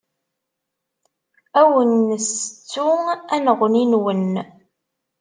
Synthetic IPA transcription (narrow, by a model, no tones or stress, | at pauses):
æwənːəst͡sːuænəʁninwən